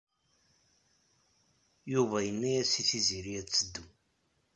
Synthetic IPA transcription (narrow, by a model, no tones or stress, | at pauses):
juvæjənːæjæsiθiziɾijæt͡sːəd̪ːu